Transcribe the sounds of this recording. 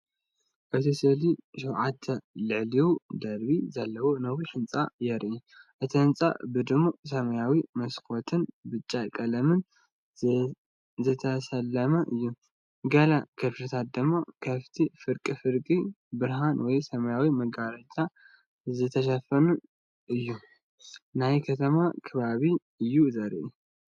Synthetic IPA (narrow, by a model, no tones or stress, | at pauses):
ʔɨt̪ʰisɨliʃɛwʕat̪ʰːɐlɨʕliwud̪ɐɾbizalːɐwonɐwiħɨnt͡sʼa̰jɛɾʔi | ʔɨt̪ʰiħɨnt͡sʼa̰bɨd̪ɨmːos̬ɐmɐjawimɐskʰot̪ʰɨnbɨt͡ʃʼːakʼɐlɐmɨn | zɨt̪ʰɐsɐlːɐmɐʔɨjːu | ɡɐlakʰɐfɾɨt̪ʰat̪̚d̪ɨmːakʰɐft̪ʰifɨɾkʼifɨɾkʼi | bɨɾɦanwɔjsɐmɐjawimɐɡaɾɐt͡ʃʼːa | zɨt̪ʰɐʃ̬ɐfɐnu | ʔɨjːu | najkʰɐt̪ʰɐmakʰɐβaβi | ɨjːuzɐɾʔu